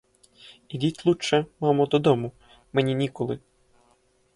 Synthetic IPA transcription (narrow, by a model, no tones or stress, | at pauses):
idʲitʲlˠut͡ʃːɛmɑmɔd̪ɔd̪ɔmu | mɛnʲinʲikɔlˠɪ